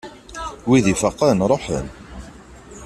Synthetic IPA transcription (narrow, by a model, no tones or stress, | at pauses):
wiðifəqːənɾˤoħə̰n